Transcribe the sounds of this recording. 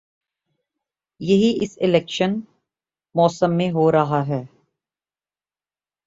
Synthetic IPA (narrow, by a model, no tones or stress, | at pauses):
jɐɦiʔɪsɪlɛːkʃən | mɔːsəmːẽɦoɾɐɦaɦɛː